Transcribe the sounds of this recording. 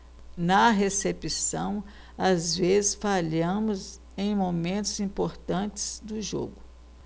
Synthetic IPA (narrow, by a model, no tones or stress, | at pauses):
nɐɦesepisɐ̃w̃ | azvezɪsfaʎɐ̃mʊz | ẽj̃momẽnt̪ʊzĩpoɾt̪ɐ̃t͡ʃɪ̥z̥d̪ʊʒo̰ɡʊ